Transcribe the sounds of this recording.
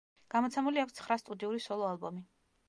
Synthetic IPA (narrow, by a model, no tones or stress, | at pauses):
ɡ̥amɔt̪sʰɛmuliakʰʷst̪sʰχɾast̪ʼud̪iuɾisɔlˠɔalˠbɔmi